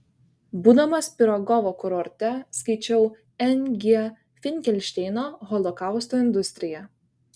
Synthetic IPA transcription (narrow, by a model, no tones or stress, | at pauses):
buːd̪ɐmɐspʲɪɾɐɡɔʋokʊɾɔɾʲt̪ʲɛskɐɪt͡ʃʲɛʊ | ɛnʲɡʲi | fʲɪnʲkʲɛlʲʃʲt̪ʲɛɪnoːɣɔlˠɔkɑˑʊst̪oːɪnd̪ʊsʲt̪ʲɾʲɪjɛ